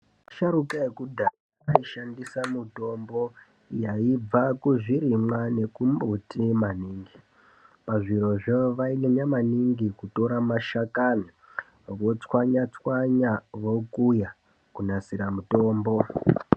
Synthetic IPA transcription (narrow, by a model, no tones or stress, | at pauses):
ʃaɾukaekudʱa | aiʃandisamuto̞mbo̞ | jaib͡vakuʐiɾimwane̞kumbutimaniːŋɡi | paʐiɾo̞ʐeʋaineɲamaniŋɡikuto̞ɾamaʃakani | ʋo̞t͡swaɲat͡swaɲaʋo̞kuja | kunasiɾamuto̞ːmbo̞